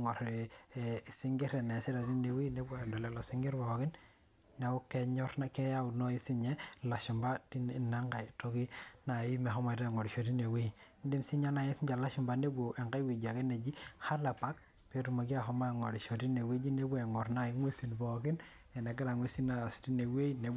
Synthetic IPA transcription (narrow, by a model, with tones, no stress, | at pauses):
ŋɔ˨ɾ | si˦ŋɡi˦ɾe˨ne˨si˦da˨i˦ne˨wi˦ne˦ba˨do˨le˨lo˨si˦ŋɡi˦ɾbo˨ki˦n | ne˨u˦ke˦ɲɔ˦ɾna˦ke˦ja˦u˨no˦i˦si˦ɲe˦la˨ʃu˨mba˦ti˦na˦ŋɡa˨jto˦ki˦na˨i˦me˨ɦɔ˦ma˨ta˦˨ŋo˨ɾi˨ʃo˨ti˦ne˨wi˦n˦di˦msi˦ɲa˦na˨jsi˦ɲd͡ʒa˨la˦ʃu˨mba˨ne˦bu˨ʔe˨ŋɡa˦jwi˨d͡ʒa˨ke˦ne˨d͡ʒi˦ha˦la˨pa˦k̚ | pe˦ɾu˨mo˨ɡa˦ɦo˦ma˦˨ŋo˨ɾi˨ʃo˨ti˦ne˨we˦d͡ʒi˦ne˦bu˦e˨ŋo˨ɾna˦ji˦ŋwe˦si˨nbo˨ɡi˦n | e˨ne˨ɡa˦la˨ŋwe˦si˦na˨si̥˨ti˦ne˨we˦i˦ne˨